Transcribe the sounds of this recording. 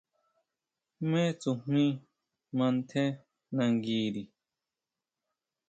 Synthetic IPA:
mɛ̃˦t͡sũ˨m̥ĩ˦ | mã˧n˦t̪ʰɛ˦ | nã˧˨ŋɡiː˧ɾi˨

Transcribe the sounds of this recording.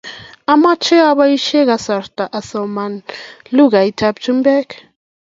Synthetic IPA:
a˦ma˦t͡ʃʰɛ˦a˦βa˦ji˦ʃɛ˦ɣa˨˦sa˨rtʼa˨ʔa˨sɔ˨ma˨nlu˦ɣa˨i˨tʰa˦b̚t͡ʃʰʼu˦mbɛ˦k

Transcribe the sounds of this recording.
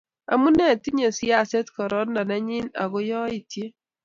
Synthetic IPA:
a̰˨mu˦nɛ˨ti˦ɲe˨si˦a˦˨sɛ˦tkɔ˨ɾɔ˦nna˨na˦ɲi˦na̰˨ɡo˦jɔ˦i˨tje˦

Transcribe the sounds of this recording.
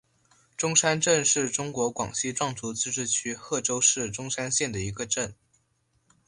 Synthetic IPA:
ʈ͡ʂʊ˥ŋʂa˥nʈ͡ʂə˥˧nʂɻ̩˥˩ʈ͡ʂʊ˥ŋkwɔ˧˥kwɑ̰˨˩ŋɕi˥ʈ͡ʂwɑ˥˩ŋt͡su˧˥t͡sɹ̩˥ʈ͡ʂɻ̩˥˧t͡ɕʰy˥xɤ˥˩ʈ͡ʂo˥ʊʂɻ̩˥˩ʈ͡ʂʊ˥ŋʂa˥nɕjɛ˥˩nd̪ə˩i˧˥ɡə˧ʈ͡ʂə˥˩n

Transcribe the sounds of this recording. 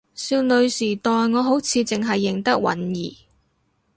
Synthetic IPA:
siː˧wnɵ˨˧ɥsiː˨˩t̪ɔː˨jŋɔː˨˧ɦo˨˥wt͡sʰiː˨˧t͡sɪ˨ŋɦɐ˨jːɪ˨˩ŋt̪ɐ˥k̚wɐ̰˨˥njiː˨˩

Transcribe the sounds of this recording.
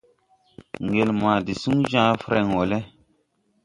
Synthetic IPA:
ŋɡe˨lma˨di˨su˦ŋʒã˦fɾɛ˨ŋwo˨lɛ˦

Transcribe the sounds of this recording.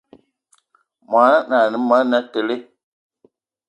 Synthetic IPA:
ma˨˦na˦na˨ni˨˦ma˦na˦te˨le˦

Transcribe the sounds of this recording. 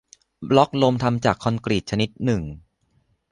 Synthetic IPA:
blɔ˦˥k̚lo˧mt̪ʰa˧mt͡ɕaː˨˩kʰːɔ˧nkɾi˨˩t̪̚t͡ɕʰa˧ni˦˥t̪̚nɯ˨˩ŋ

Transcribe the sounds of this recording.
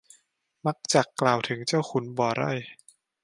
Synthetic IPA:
ma˦˥k̚t͡ɕa˨˩klaː˨˩wt̪ʰɯ˩˦ŋt͡ɕa˥˩wxʰu˨˩˦nbɔː˨˩ɾɔ̰˥˩j

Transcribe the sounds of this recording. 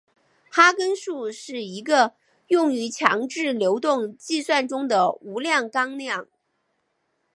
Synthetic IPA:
xa˥kə˥nʂu˥˧ʂɻ̩˥˩i˧˥ɡə˧ | jʊ˥˩ŋy˧˥t͡ɕʰjɑ̰˧˥ŋʈ͡ʂɻ̩˥˩ljo˧˥ʊt̪ʊ˥˧ŋt͡ɕi˥˧swa˥˩nʈ͡ʂʊ˥ŋd̪ə˨u˧˥ljɑ˥˩ŋkɑ˥ŋljɑ˥˩ŋ

